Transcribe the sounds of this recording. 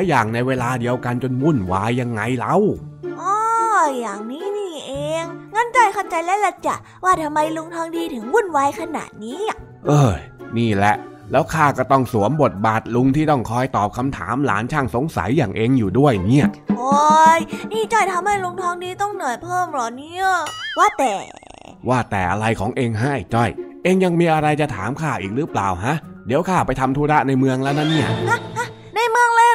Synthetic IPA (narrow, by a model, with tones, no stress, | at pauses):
lɛ˦˥jaː˨˩ŋna˧jweː˧laː˧di˧əwka˧nt͡ɕo˧nwu˥˩nwaː˧˥jːa˧ŋːa˧jla˦˥wʔɔː˧jaː˨˩ŋniː˦˥˩niː˥˩ʔeː˧ŋːaː˦˥˨nt͡ɕɔ˧˩jkʰa˥˩wt͡ɕa˧jlɛː˦˥wla˧˩t͡ɕa˧˩ | waː˧˥˩t̪ʰa˧mːa˧jlu˧ŋt̪ʰɔː˧ŋdiː˧t̪ʰɯ˩˦ŋwu˥˩nwaː˧jkʰa˧na̰ː˨˩t̪̚niː˦˥˩ | ʔɤː˧˩niː˥˩lɛ˦˥ʔ | lɛː˦˥wkʰaː˥˩kɔː˥˩t̪ɔ˥˩ŋsu˩˦əmbo˨˩t̪̚baː˨˩t̪̚lu˧ŋt̪ʰiː˥˩t̪ɔ˥˩ŋkʰɔː˧jt̪ɔː˨˩p̚kʰa˧mt̪ʰa̰ː˩˦mla̰ː˩˦nt͡ɕʰaː˧˩ŋso˨˦ŋsa̰˩˦jːaː˨˩ŋʔeː˧ŋjuː˨˩du˥˩əjni˦˥˩ɐʔʔo˧˩jniː˥˩t͡ɕɔ˥˩jt̪ʰa˧mha˥˩jlu˧ŋt̪ʰɔː˦˥ŋniː˧˩t̪ɔ˥˩ŋnɔ˨˩jpʰɤː˥˩mlɔː˨˩niː˦˥waː˥˩t̪ɛː˨˩ | waː˥˩t̪ɛː˨˩ʔa˧ɾa˧jkʰɔː˩˦ŋʔeː˧ŋɦa˦˥ʔt͡ɕɔ˥˩jʔeː˧ŋja˧ŋmiː˧ʔa˧ɾa˧jt͡ɕa˨˩t̪ʰaː˨˩˦mkʰaː˥˩ʔiː˨˩k̚ɾɯː˦˥plaː˨˩wɦa˦˥ʔdi˨˩˦wkʰaː˥˩pa˧jt̪ʰa˧mt̪ʰuː˧ɾa˦˥ʔna˧jmɯ˧əŋlɛː˦˥wna˦˥nːi˥˩ɐkʰa˧˥˩ka˧˩ | na˧jmɯ˧əŋlɤː˧